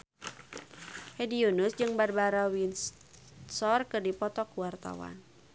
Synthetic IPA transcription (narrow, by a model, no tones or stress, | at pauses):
hɛdiunusd͡ʒɨŋbarbaɾawin | sɔrkɨrdipɔt̪ɔkuwart̪a̰wa̰n